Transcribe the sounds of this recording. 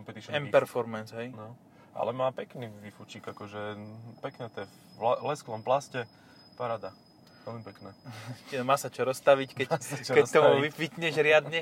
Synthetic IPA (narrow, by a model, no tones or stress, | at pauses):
kɔmpɛt̪iʃɛmpɛɾfɔɾmɛnsɦɛjnɔ | a̰lɛmaːpɛkniʋifut͡ʃiːɡakɔʒɛpɛknɛt̪ɛ | lɛsklɔmplascɛ | paɾad̪a | ʋɛlmipɛknɛːɛmaːsat͡ʃɔɾɔst̪aʋickɛckɛt̪ɔmuʋifʋit̪ɲɛʒɾɪad̪ɲɛ